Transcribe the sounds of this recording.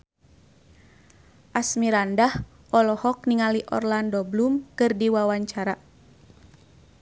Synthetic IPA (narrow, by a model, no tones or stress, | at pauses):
ʔasmiɾandah | ɔlɔhɔk̚niŋaliʔɔ̰rlandɔblumkɨrdiwawaɲt͡ʃaɾa